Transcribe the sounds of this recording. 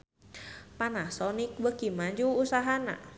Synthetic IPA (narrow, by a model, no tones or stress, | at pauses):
panahsɔnik̚bəkimaɲd͡ʒuːsaɦana̰